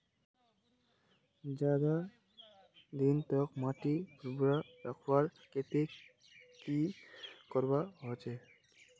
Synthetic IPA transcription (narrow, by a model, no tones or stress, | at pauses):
d͡ʒad̪a | d̪int̪ɔkmatibʰuɾbuɹaɾakʰɔaɹket̪e | kikɔɹbaɦɔt͡ʃɛ